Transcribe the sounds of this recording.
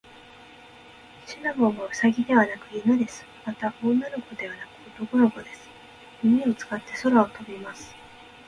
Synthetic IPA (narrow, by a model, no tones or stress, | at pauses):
ɕinaɡoːmoɯ̟saɡʲid̪e̞βanakɯ̟jɯnɯd̪e̞sɨ̥mat̪aʔonːanoko̞d̪e̞βanakɯ̟ot̪o̞konoɡo̞d̪e̞sɨ̥ | mimʲio̞t͡sɨ̥kat̪ːe̞so̞ɾaot̪ʰo̞bʲimasɨ̥